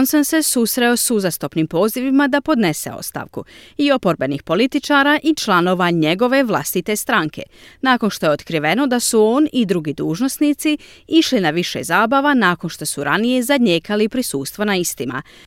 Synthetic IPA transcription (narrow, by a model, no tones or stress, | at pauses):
nsanse̞susɾe̞o̞suzast̪o̞pnimpo̞ːziʋimad̪apo̞d̪ne̞se̞̰o̰st̪a̰ʋkuio̞po̞ɾbe̞nixpo̞lit̪it͡ʃaːɾaːʔit͡ʃlˠano̞ːʋaɲe̞ɡo̞ʋe̞ʋlˠa̰st̪it̪e̞st̪ɾaŋkʰe̞̰naːko̞nʃt̪o̞jeo̞t̪kɾiʋe̞no̞d̪asuo̞ːnid̪ɾuɡid̪uːʒno̞snit̪si | iʃlinaʋiʃḛzaːbaʋanaːko̞nʃt̪o̞suɾʔanije̞zadɲe̞ːkalipɾisuːst̪ʋonaist̪ima̰